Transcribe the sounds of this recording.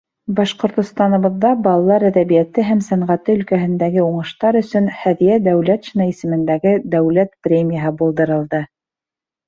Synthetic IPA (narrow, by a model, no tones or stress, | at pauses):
bɑʃqŏɾt̪ŏst̪ɑnŏβɤ̆ðːɑbɑlˠɑlˠɑɾæðæβijæt̪ɘɦæmsæɴʁæt̪ɘɵ̆lkæɦɘ̆nd̪æɡɘuɴɤ̆ʃt̪ɑɾɵ̆sɵnhæðijæd̪æwlæt̪ʃinɑisɘ̆mɘ̆nd̪æɡɘd̪æwlæt̪prʲemʲijəɦɤbulˠd̪ɤ̆ɾɤ̆lˠd̪ɤ